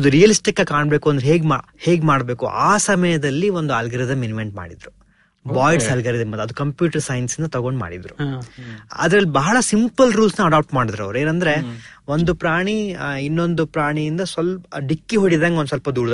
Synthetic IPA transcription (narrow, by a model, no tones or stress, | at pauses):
d̪uɾijɐlisʈikːɐkaːɳbe̞ːkuɐnd̪eɦe̞ːɡma | he̞ːɡmaːɽbe̞ːkuʔaːsɐmɐjɐd̪ɐlːiond̪uɐlɡɐɾid̪ɐmenimeɳʈma̰ːɽid̪ɾu | baːjɖsɐlɡɐɾid̪ɐmɐd̪ɐd̪ukɐmpjuːʈɐɾsɐjnsind̪ɐt̪ɐɡoɳɖma̰ːɽid̪ɾu | ɐ̰d̪ɾɐlːibɐɦɐɭɐsimpɐlɾuːlsnɐɐɖaːp̚ʈmaːɽid̪aɾɐ̰ʋɾueːnɐnd̪ɐɾeo̞nd̪upɾaːɳiinːo̞nd̪upɾaːɳijind̪ɐsʋɐlɖikːiɦoɽid̪aːŋɡonusʋɐlpɐd̪uːɽd̪